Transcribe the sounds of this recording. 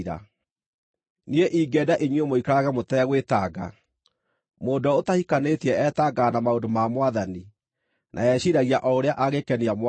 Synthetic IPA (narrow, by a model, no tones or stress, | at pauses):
ɾa̰ | nieʔiːɡɛdaʔeɲwiomoikaɾaɣɛmotɛɣwetaɡa̰ | moːdɔotahikanetiɛɛtaɡaːnamaodomamwaðani | nʔa̰ɛɕiɾaɣiaʔɔoɾeaʔaɣekɛniamw